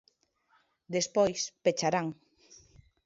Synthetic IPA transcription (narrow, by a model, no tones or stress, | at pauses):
d̪espojspet͡ʃaɾaŋ